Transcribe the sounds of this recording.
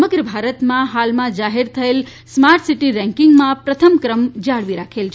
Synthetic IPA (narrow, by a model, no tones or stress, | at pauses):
məɡɾəbʱaɾət̪mãɦalmãd͡ʒaɦeɾt̪ʰəel | smaɾʈsiʈiɾɛ̃ŋkɪŋɡmãpɾət̪ʰəmkɾəmd͡ʒaɽʋiɾakʰelt͡ʃʰ